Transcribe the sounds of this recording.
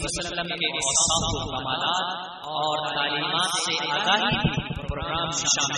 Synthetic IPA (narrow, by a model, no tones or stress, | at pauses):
əsəllːəmkeʔɔːsaːkukɐmaːlaːt̪ | ɔːɾt̪aːliːmaːt̪seʔaːɡaːɦibʱipɾopɾoːɡɾaːmʃɪʃaːm